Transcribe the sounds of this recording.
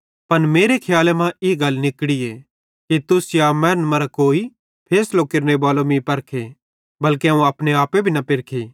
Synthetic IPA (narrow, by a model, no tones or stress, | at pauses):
pɐnmeːɾekʰjaːlemãɪɡɐlːnɪkɽiɛ | kit̪ʊsjaːmɛːɾənmɐɾakoːi | pʰeːslokɪɾnebaːlomĩpɐɾkʰe | bɐlkeũɐpɽ̃eaːpebʱinɐpɪɾkʰeː